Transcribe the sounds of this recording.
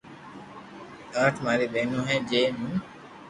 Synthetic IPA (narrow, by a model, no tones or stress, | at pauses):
ãːʈʰmaːɾiːɓeːnũːɦɛ̃ːd͡ʒeːmũː